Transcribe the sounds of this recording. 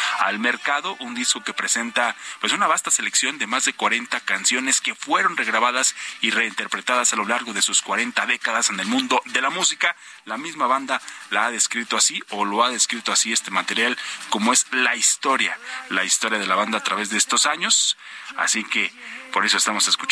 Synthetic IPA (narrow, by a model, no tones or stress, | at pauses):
a̰lme̞ɾkaðo̞ʔund̪isko̞ke̞pɾe̞se̞nt̪apwe̞sunaβast̪ase̞leksjond̪e̞mazðe̞kwaɾe̞nt̪akansjo̞neske̞fwe̞ɾo̞nre̞ɣɾaβaðasire̞int̪eɾpɾe̞t̪aðasalo̞laɾɣo̞ðe̞suskwaɾe̞nt̪aðe̞kaðase̞ne̞lmũnd̪o̞ðe̞lamusika | lamizmaβand̪alaaðe̞skɾit̪o̞asiolo̞aðe̞skɾit̪o̞asie̞st̪e̞mat̪e̞ɾjalko̞moe̞zlaist̪o̞ɾjalaist̪o̞ɾjað̞e̞laβand̪aːt̪ɾaβe̞zðe̞est̪o̞saɲo̞s | a̰sike̞po̞ɾes̬o̞est̪amo̞se̞sku̥t͡ʃ